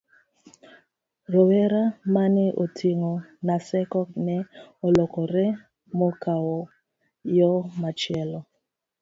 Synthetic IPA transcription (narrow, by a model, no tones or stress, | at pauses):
rɔwɛɾamanɛʔotʰiŋonasɛkɔnɛolɔkɔɾɛ | mokawɔ | jɔmat͡ʃɪɛlɔ